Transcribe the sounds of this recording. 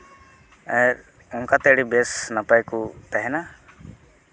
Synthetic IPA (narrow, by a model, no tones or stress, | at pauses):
ɛɾ | ʊŋkat̪ɛɽibesnapajkut̪ɛɦɛna